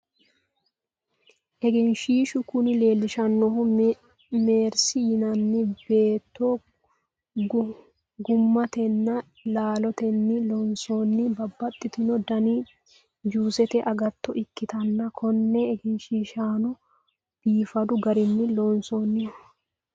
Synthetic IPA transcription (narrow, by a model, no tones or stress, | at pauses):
ʔɛɡɪnʃiːʃʊkʊnɪle̞ːlːɪʃɐnːɔɦʊ | me̞ːɾsɪjɪnɐnːɪbe̞ːt̪ːo | ɡʊmːɐt̪ɛnːɐ | laːlɔt̪ɛnːɪlɔnsonːɪbɐbːɐt̪ʼːɪt̪ɪnɔd̪ɐni | d͡ʒuːsɛt̪ɛʔɐɡɐt̪ːɔʔɪkːɪt̪ɐnːɐkʰɔnːɛːɡɪnʃiːʃaːnɔ | b̥iːfɐd̪ʊɡɐɾɪnːɪlonsoːnːɪ